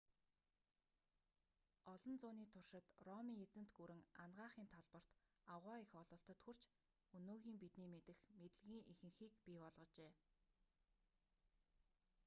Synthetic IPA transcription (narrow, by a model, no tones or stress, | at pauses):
ɔɮɞ̆nt͡sʊːniːt̪ʰʊrʃɪ̆t̪rɔmiːet͡sɘ̆n̥t̪ɡuɾɘ̆ŋanɢaːχiːnt̪ʰaɮpɞ̆r̥t̪ | awʁaːixɔɮɞ̆ɬt̪ɞ̆t̪xur̥t͡ɕ | ɵnoːɣiːmpit̪niːmet̪ɘ̆xmet̪ɘ̆ɮɣʲiːŋʔixɘ̆ŋxiːkpʲiːpɔɮʁɞ̆t͡ɕeː